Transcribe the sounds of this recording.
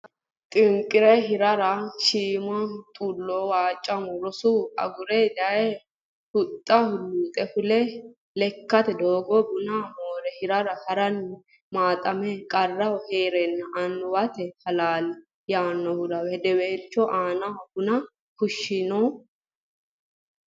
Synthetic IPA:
t̪ʼɪŋkʼːɪɾɛɦɪɾɐɾɐʃiːmɐt̪ʼulːoːwaːt͡ʃʼːɐmɔɾɔsuɐ̰ɡʊɾɛd̪ɐɛ | hʊt̪ʼːɐhʊlːuːt̪ʼɛfʊlɛ | lɛkːɐt̪ɛd̪oːɡɔbʊnamoːɾɛhɪɾɐɾɐhɐɾɐnːɛ | maːt̪ʼɐmɛkʼɐrːɐwɔheːɾɛnːɐʔɐnːɔwɐt̪ɛhɐlaːlɛ | jaːnːɔhʊd̪ɐwɛd̪ɛweːt͡ʃːɔʔaːnɐwɔhʊnɐ | hʊʃːɪnɔ

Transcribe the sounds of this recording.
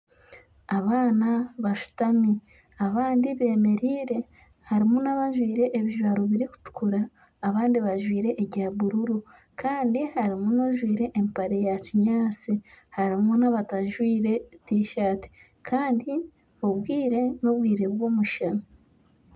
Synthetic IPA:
aβaːnaβaʃu̥tami | aβaːndiβe̞ːme̞ɾiːɾe̞ | haɾimunaβaʒwiːɾe̞ʔeβiʒwaːɾoβiɾiku̥tu̥kuɾaː | βaːndiβaʒwiːɾe̞ʔːɟaβuɾuɾu | kʰaːndihaɾimuno̞ʒwiːɾe̞ʔːmpaɾe̞jaciɲaːt͡sihaɾimunaβataʒwiːɾe̞tiːʃaːti̥ | kʰaːndi | oβwiːɾe̞no̞βwiːɾe̞βwo̞ːmuʃana

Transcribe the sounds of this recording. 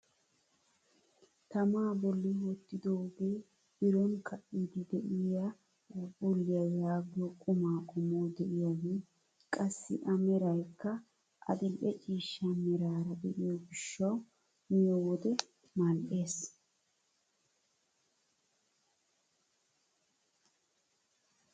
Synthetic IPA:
t̪ɐmaːbɔlːɪwɔt̪ːɪd̪oːbeː | bɪɾɔnkʰɐʔiːd̪ɪd̪ɛʔɪja | bʊlːɪjɐjaːɡɪjɔkʼʊmaːkʼʊmoːd̪ɛʔɪjaɡeː | kʼɐsːɪ̰ʔɐmɛɾɐjkːɐ | ʔɐ̰d̪ɪlʔɛt͡ʃʼiːʃːɐmɛɾaːɾɐd̪ɛʔɪjɔɡɪʃːɐw | mɪjɔwɔd̪ɛ | mɐlʔe̞ːs

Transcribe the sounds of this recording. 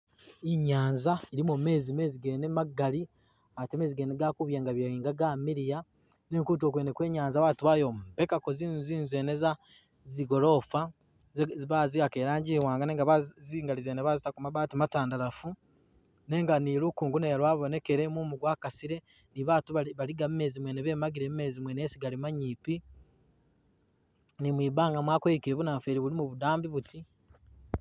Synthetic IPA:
iɲaːnzaiɾimome̞ːzime̞ːziɡenemaɡːali | ateme̞ːziɡeneɡakuβjeːŋɡaβjaiːŋɡaɡaːmiɾija | ne̞ːŋkuːt̬o̞ːkweːnekwe̞ːɲaːnzawaːtuβajombekakoziziːnzeːneza | ziɡo̞ɾo̞ːfa | βaziakeːɾaːɲɟiwaːŋɡaneŋɡaβaziːŋɡalizeːneβazitakumaβaːtimataːndalafu | ne̞ːŋɡanilukuːŋɡuneɾwaːβo̞ne̞ke̞ɾe̞mumuɡwaːkasiɾe̞ | niβatuβaβaɾiɡaβime̞ːzimweneβe̞ːmaɡiɾemime̞ːzimweneːsiɡalimaɲiːpi | nimwiːbaːŋɡamwaːkwoikiɾeβunafeːɾiβulimuβudaːmbiβuti

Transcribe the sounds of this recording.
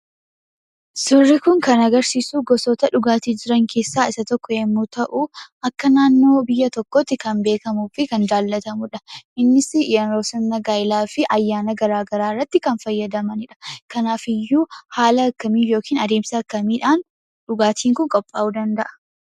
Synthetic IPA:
sʊrːɪkʊŋkɐnɐɡɐɾsiːsuːɡɔsoːt̪ɐᶑʊɡaːt̪iːd͡ʒɪɾɐŋkʰe̞ːsːaːɪsɐt̪ɔkːɔeːmːuːt̪ɐʔʊʔɐkːɐnaːnːo̞ːbɪjːɐt̪ɔkːot̪ːɪkɐnbe̞ːkɐmuːfɪkɐnd͡ʒ̪aːlːɐt̪ɐmʊᶑɐʔɪnːɪsɪjɐnɾoːsɐnːɐɡaːjɪlaːfɪʔɐjːaːnɐɡɐɾaːɡɐɾaːrːɐt̪ːɪkɐnfɐjːɐd̪ɐmɐnɪᶑɐ̥kɐnaːfɪjːuːhaːlɐɐkːɐmiːjoːkiːnɐd̪eːmsɐɐkːɐmiːᶑaːn | ᶑʊɡaːt̪ʰiːŋkʊŋkʼɔpʼːa̰ːʔuːd̪ɐnd̪ɐʔɐ̥

